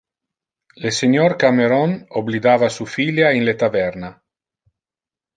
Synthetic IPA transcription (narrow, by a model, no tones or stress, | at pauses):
leseɲɔɾkameɾɔnoblid̪aːvasufiljainlet̪avɛɾna